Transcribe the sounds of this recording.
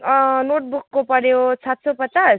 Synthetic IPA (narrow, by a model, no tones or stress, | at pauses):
noʈ̚bukːopʌɽjot͡sʰat̪sopʌt͡sas